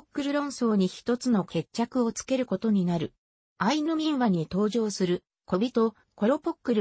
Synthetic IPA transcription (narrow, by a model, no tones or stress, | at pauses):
okːɯ̟ɾɯ̟ɾõ̞ɰ̃so̞ːɲ̟içi̥t̪o̞t͡sɨno̞ke̞t͡ɕt͡ɕːakɯ̟ot͡sɨ̥ke̞ɾɯ̟ko̞t̪o̞ɲ̟inaɾɯ̟ | ainɯmʲĩɰ̃βaɲ̟it̪o̞ːʑo̞ːsɨɾɯ̟ | kobʲit̪o̞ | ko̞ɾo̞pokːɯ̟ɾɯ